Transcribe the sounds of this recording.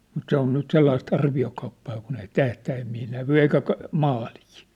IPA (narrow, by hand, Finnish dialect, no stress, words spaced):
mut se on nyt selːɑist ɑrʋiokɑupːɑː kun ei tæhtæːmːiː næʋy eikæ kɑ mɑːliː